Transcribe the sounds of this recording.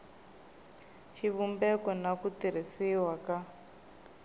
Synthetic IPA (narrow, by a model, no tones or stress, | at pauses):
ʃiβumbɛkɔnakutiɾ̤isiwaka